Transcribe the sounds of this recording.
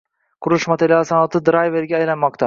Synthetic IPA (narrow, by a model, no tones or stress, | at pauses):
qʰʊɾʊʃmat̪ʰelijɒsɑnɒt̪ʰɪd̪ɾajve̞ɾɡʲaːjlanmɒq̚t̪a